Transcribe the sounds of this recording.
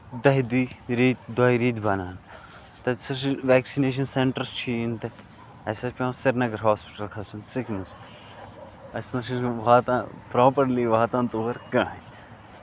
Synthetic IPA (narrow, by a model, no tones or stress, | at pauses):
d̪ɐɦid̪iːɾiːt̪̚d̪ɐːiɾiːt̪bɐnaːn | t̪ɐsɐʃiʋɛːksineːʃ̬ɐnseɳʈɐɾst͡ʃʰint̪ɐk | ɐsɐpʲãsɐɾnɐɡɐɾɦaːspɪ̥ʈɐlkʰɐsunsɪknɐs | ɐsnɐʃiʋaːt̪ãpɾoːpɐɾliʋaːt̪ãːnt̪oːʋɐɾkãːɦe